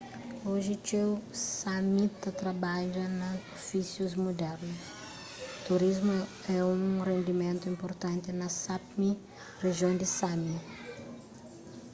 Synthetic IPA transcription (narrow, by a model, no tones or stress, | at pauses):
oʒɪt͡ʃewsamit̪ːɐt̪ɾɐbad͡ʒɐnɐofisjuzmud̪ɛɾnʊs | t̪uɾizmʊ | ɛũrẽnd̪imẽnt̪ʊĩmpoɾt̪ɐ̃nt̪ɪnɐsapmi | reʒiõnd̪ɪsami